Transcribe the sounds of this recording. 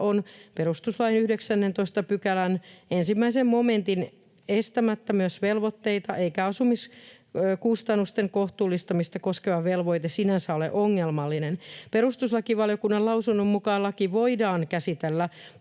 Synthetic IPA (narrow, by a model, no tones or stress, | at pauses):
onpe̞rust̪uslɑjinyhdeksænːent̪oist̪ɑpykælænensimːæisemmoment̪in | est̪æmæt̪ːæmyøsʋelʋot̪ːe̞it̪ɑʔeikæɑsumis | kust̪ɑnːust̪eŋkoht̪uːlːist̪ɑmist̪ɑkoskeʋɑʋelʋoit̪esinænsæolḛʔoŋːelmɑlːinenpeɾust̪uslɑkiʋɑljokunːɑlɑusunːommukɑːlːɑkiʋoidɑːnkæsit̪elːæ